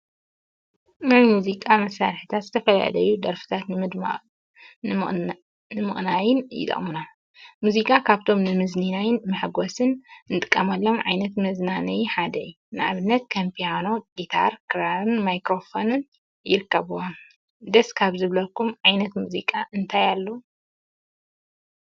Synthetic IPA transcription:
mɨmuzikʼamɐsːaɾħit̪ʰat̪zɨt̪ʰɐfɐla̰ʕlɐjud̪ɐɾfi̥t̪ʰat̪nɨmɨd̪ma̰ | nɨmɨχʼnajɪnjɪ̰t̪ʼɐ̰χʼmɨna | muzikʼakʰaβt̪ʰo̞mnɨmɨzninajɪnmɨħɡosɨnnɨt̪ʼɨ̥kʼːɐmɐlːo̞mʕa̰jnɐt̪mɐznanɐjħad̪ɐju | nɨʕaβɨnːɐt̪̚kʰampʰijano̞ɡit̪ʰa̰ɾkʰɨɾaɾɨnmajkɾo̞fo̞nɨn | jɪɾɨkʰːɐβuwon | ɨd̪ɐskʰaβzɨβlɐkːumʕajnɐt̪muzikʼaʔɨnt̪ʰajalːo

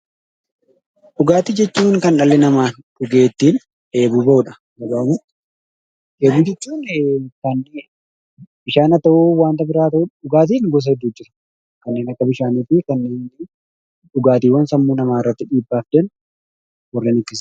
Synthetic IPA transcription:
ᶑʊɡaːt̪id͡ʒɛt͡ʃːuːŋkɐnᶑɐlːɛnɐmaːnᶑʊɡe̞ːt̪ːiːn | ʔe̞ːbuːbɐʔʊᶑɐ̥ | nɐɡaːʊmʊ | ʔeːbuːd͡ʒɛt͡ʃːuːnkɐn | b̥ɪʃaːnɐt̪ɐʔuwaːnt̪ɐbɪɾaːt̪ɐʔuʊɡaːt̪̬iːnɡɔs̬ɐhɛd̪ːuːd͡ʒɪɾɐ̥ | kɐnːe̞ːnɐkːɐbɪʃaːniːt̪ːɪkɐnːeːn | ᶑʊɡaːt̪iːwɐnsɐmːuːnɐmaːɪrːɐt̪ːɪᶑiːbːaːfd̪ɛn | wɐrːɛnɪkːɪs

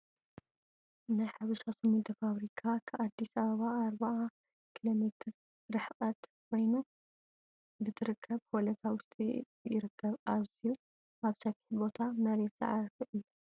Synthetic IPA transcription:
najħaβɨsasɐmɨnt̪ʰɐfaβɾikʰakʰɨʔad̪ːisɐβɐβaːɾβaʔa | kʰilo̞met̪ʰɨɾ | ɾɨħqʼɐt̪kʰo̞jnu | bɨt̪ʰɨɾɨkʰːɐβkolɐt̪ʰawʊst̪ʼḭ | jɪɾɨkʰːɐβʔaziju | ʔaβsɐfiħbo̞t̪ʰamɐɾet̪z̥ɐ̰ʕaɾfɐʔɨj

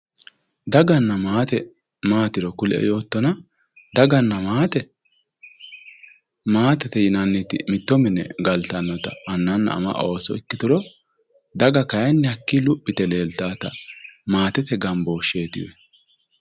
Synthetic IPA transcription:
d̪ɐɡɐnːɐmaːt̪ɛ | maːt̪ɪɾɔkʊlʔɛ̰jo̞ːt̪ːɔnɐ | d̪ɐɡɐnːɐmaːt̪ɛ | maːt̪ɛt̪ɛjɪnɐnːɪt̪ɪ̰mɪt̪ːɔmɪnːɛ̰ɡɐlt̪ɐnːɔt̪ɐʔɐnːɐnːɐ̰ːmɐ̰ʔoːsɔ̰ɪkːɪt̪ʊɾɔ | d̪ɐɡɐkɐjɛnːɛhɐkːilʊpʼːɪt̪ɛle̞ːlt̪aːt̪ɐmaːt̪ɛt̪ɛɡɐmboːʃe̞ːt̪ɪ̰wɛ̰

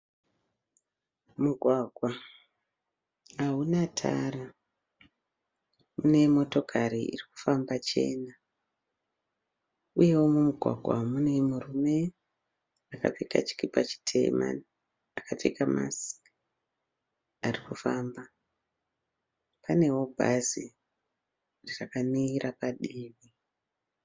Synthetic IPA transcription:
muɡʱwaɡʱwa | aɦunatʰa̰ra | mune̞mo̞to̞kʰaɾiḭriku̥fambat͡ʃe̞̰ːna | uje̞womumuɡʱwa̰ɡʱwa̰mune̞murume̞ | aka̰peka̰t͡ʃi̥kipat͡ʃi̥tʰe̞̰ma̰ni | akap͡fekama̰si̥ | arikufaːmba | pane̞wo̞bʱa̰zi | rirakaniːɾapaɗiːʋi

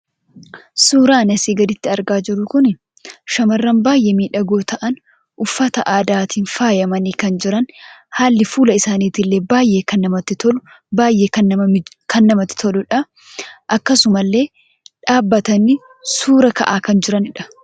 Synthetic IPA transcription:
suːɾaːnɐsiːɡɐd̪ɪt̪ːɪɐɾɡaːd͡ʒɪɾʊkʊnɪ | ʃɐmɐrːɐnbaːjʔeːmiːᶑɐɡoːt̪ɐʔɐn | ʔʊfːɐt̪ɐʔaːd̪aːt̪ʰiːnfaːjɐmɐniːkɐnd͡ʒɪɾɐnhaːlːɪfuːlɐɪsaːniːt̪ɪlːe̞ːbaːjʔe̞ːkɐnːɐmɐt̪ːɪt̪ɔ | baːjʔe̞ːkɐ | kʰɐnːɐmɐt̪ːɪ̥t̪ʰɔlʊᶑɐ | ʔɐkːɐsʊmɐlːe̞ː | ᶑaːbːɐt̪ɐni | suːɾɐkɐ̰ʔaːkɐnd͡ʒɪɾɐnɪᶑɐ̥

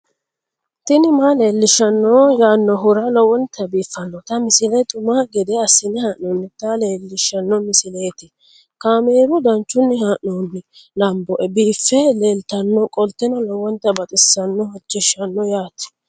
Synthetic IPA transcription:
t̪ɪnɪmaleːlːɪʃːɐnːɔjaːnːɔɦʊɾɐlɔwɔnt̪ʰːɐbiːfːɐnːɔt̪ɐmɪsɪlɛt̪ʼʊmaɡɛd̪ɛɐsːɪnɪhaːnonːɪt̪ɐleːlːɪʃɐnːɔmɪsɪleːt̪ɪ | kaːmeːɾʊd̪ɐnt͡ʃːʊnːɪhaːʔnoːnːɪ | lɐmbɔʔɛbiːfːɛleːlt̪ɐnːɔkʼɔlt̪ːɛnɔlɔwɔnt̪ɐbɐt̪ʼɪsːɐnːɔhɔt͡ʃːɛʃɐnːɔjaːt̪ɪ̥

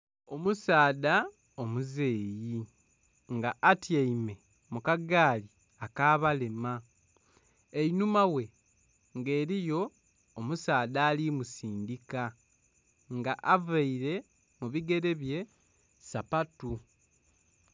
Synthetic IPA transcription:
o̞musaːda | omuze̞ːji | ŋɡaʔatjaime̞ | mukaɡaːli | akaːβalema | einumawe̞ | ŋɡe̞ːɾijo̞ː | musaːdaːlimusiːndika | ŋɡaʔavaiɾe̞ | muβiɡe̞ɾe̞βje̞ | sapatu

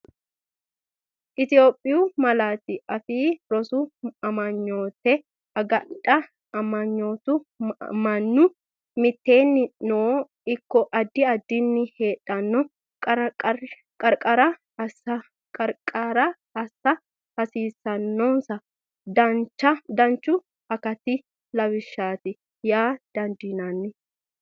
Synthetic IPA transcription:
ʔɪt̪ɪjo̞ːpʼːɪjʊmɐlaːt̪ɪɐfiːɾɔsʊɐmɐɲːoːt̪ɛ | ɐɡɐᶑʼɐ | ɐmɐɲːoːt̪ʊmɐnːʊ | mɪt̪ːe̞ːnːɪnoː | ɪkːɔʔɐd̪ːɪɐd̪ːɪnːɪheːᶑɐnːɔ | kʼ | kʼɐɾkʼɐɾɐ | ɐsɐ | kʼɐɾkʼaɾɐ | ɐsːɐ | hɐsiːsːɐnːɔnsɐ | d̪ɐt͡ʃːɐd̪ɐnt͡ʃːʊ | ɐkɐt̪ɪ | lɐβɪʃːaːt̪ɪ | jaːd̪̥ɐnd̪iːnɐnːɪ

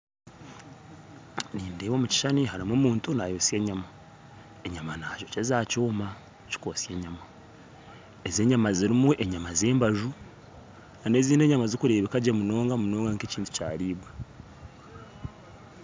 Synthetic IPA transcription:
niːndeβomuci̥ʃaniɦaɾimoːmuːntunajoːsie̞ːɲama | eɲamanaːɟo̞cezaːcoːma | ci̥kosje̞ːɲama | eze̞ːɲamaziɾimuʔe̞ɲamaze̞ːmbaʒu | ane̞ziːne̞ɲamazikuɾe̞ːβekaɟemuno̞ːŋɡamuno̞ːŋɡaŋkeciːntu̥ca̰ːɾiːβwe

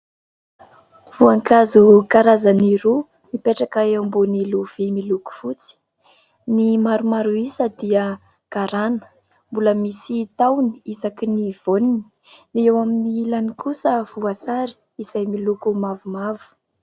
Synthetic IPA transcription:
v̥uaŋkazukaɾazaniɾu | mipeʈ͡ʂakaewmboniluv̥imiluku̥fut͡si̥ | nimaɾumaɾuisəd̪iə | ɡ̥aɾanə̥ | mbuləmisit̪awniizakiniv̥onini̥ | niewaminiilanikusəv̥uasaɾi̥ | iz̥ajmilukumavumavu̥

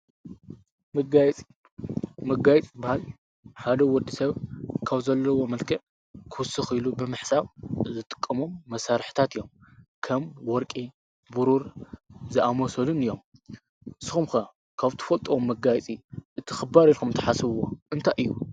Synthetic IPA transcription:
mɐɡajt͡sʼi | mɐɡajɛt͡sʼbahal | ħad̪ɐwɔd̪isɐβkʰaβzɐlːɐwomɐlkʰɐʕ | kʰɨwsɨxilubɨmɨħsaβzɨt̪ʼɨ̥kʼːɐmomːɐsaɾħt̪ʰat̪ɨjːomkʰɐmwɔɾkʼi | buɾuɾzɨʔamosɐlunɨjːom | sɨxumxɐ | kʰaβt̪ʰɨ̥fɐlt̪ʼɐwomːɐɡajt͡sʼiʔɨt̪ʰi̥xɨbaɾilkʰumnt̪ʰɐħasɨβwoʔɨnt̪ʰajʔɨjːu

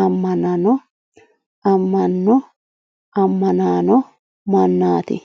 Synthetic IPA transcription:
ɐmːɐnɐnɔ | ɐmːɐnːɔ | ɐmːɐnaːnɔ | mɐnːaːt̪ɪ̰

